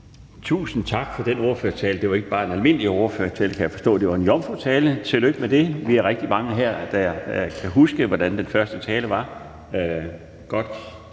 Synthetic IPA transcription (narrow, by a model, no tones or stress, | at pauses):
t͡sʰṵːsn̩t͡sʰɑ̈ɡ̥fɒ̽d̥eno̝ːɐføɐst͡sʰɛːləd̥e̝ʋɑ̈e̝ɡ̥əb̥ɑ̈ːe̝nælme̝n̰lio̝ɐfø̰ɐt͡sʰe̝lkʰæjæfɒ̽sd̥ɔ̰̽ːd̥e̝ʋɑ̈e̝njɒmfot͡sʰɛːlət͡sʰe̝løɡ̥əmed̥e̝ʋiæɐʁɛɡ̥̚d̥imɑ̈ŋəɦæɐ̰d̥æjɑ̈ɪkʰæɦusɡ̥əʋɒd̥ænd̥enfɶɐsd̥ət͡sʰɛːləʋɑ̈ | ɡ̥ɒ̽d̥